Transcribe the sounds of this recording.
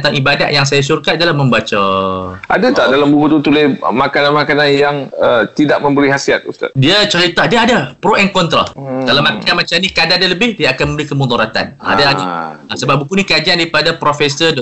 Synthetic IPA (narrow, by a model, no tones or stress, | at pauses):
nt̪aŋʔibada̰t̪ʔjaŋsajasurkat̪̚dalahmə̃mbat͡ʃaʔadat̪aʔdalambuɦut̪ut̪ulemakananmakananjaŋət̪idaʔ̚mə̃mbəɾiɦasiat̪̚ust̪a̰t̪diət͡ʃəɾit̪adiəadapɾoʔɛnkɔnt̪ɾa̰kalamãkanmãt͡ʃamnikadadaləbɪhdiəakanmə̃mbəɾikəmud̪ɔɾat̪a̰na̰daaiasəbap̚bukunĩkəad͡ʒiandaɾipadapɾofɛsə